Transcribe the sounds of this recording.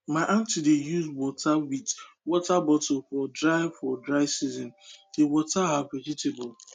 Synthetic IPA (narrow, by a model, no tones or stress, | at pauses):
maɪʔãntidejuzwɔtawid | wɔtabɔtolfɔdɾaɪfɔdɾaɪsizɔ̃nd̥ewɔtaɦaked͡ʒitebʊl